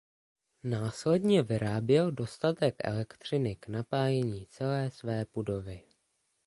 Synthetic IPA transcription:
naːslɛdɲɛvɪɾaːbjɛldo̞st̪at̪ɛkʔɛ̰lɛkt̪r̝̥ɪnɪknapaːjɛɲiːt͡sɛlɛːsvɛːpudo̞vɪ

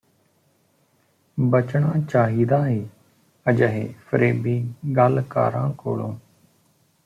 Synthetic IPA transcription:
bət͡ʃɳãːt͡ʃaːɦiːd̪aːɦeː | əd͡ʒəɦeːfəɾeːbiːɡaːlka̰ːɾã̰ːko̰ːlõː

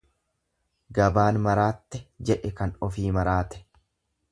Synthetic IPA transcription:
ɡɐbaːnmɐɾaːt̪ːɛd͡ʒɛʔɛkɐnɔfiːmɐɾaːt̪ɛ̥

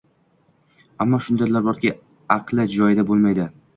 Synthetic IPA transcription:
amːɒʃʊnd̪ajlaɾbɒɾkʲɪ | ɑqlˠɪd͡ʒɒjɪd̪abolˠmajd̪ɪ

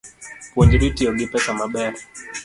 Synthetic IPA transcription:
kɔnd͡ʒiɾitiɔɡipɛsamaɓɛa

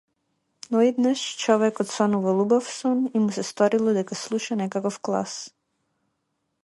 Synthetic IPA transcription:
nɔɛd̪naʃt͡ʃɔvɛkɔt̪sɔnuvalˠubɔfsɔnimusɛst̪ɔɾilˠɔd̪ɛkaslˠuʃanɛkakɔfklˠa̰s

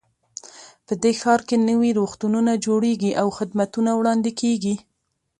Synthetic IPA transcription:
pəd̪exɑɾkenəwiɾoxt̪ununad͡ʒoɽeɡiʔawxɪd̪mat̪unawɽɑnd̪ɪkʰeɡi

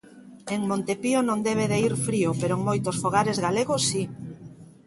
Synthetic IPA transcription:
eŋmõnt̪epionõŋd̪ɛβ̞eðeiɾfɾiopeɾoeŋmojt̪osfoɣ̞aɾezɣaleɣosːi

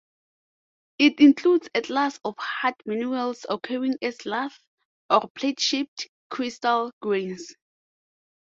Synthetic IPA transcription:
itĩŋkʰludsɛtʰlasɔfhadmanualsɔkʰɛɹĩŋɛslaθ | ɔpʰletʃip̚t | kʰɹistalɡɹĩns

